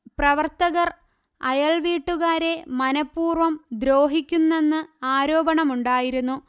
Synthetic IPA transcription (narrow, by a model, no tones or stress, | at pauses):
prɐʋɐrt̪ɐɣɐr | ɐjɐɭʋiːʈːuɣaːɾe̞mɐnɐpːuːrʋɐmd̪ɾo̞ːɦikʲːunːe̞nːɨaːɾo̞ːbɐɳɐmuɳɖaːjiɾunːu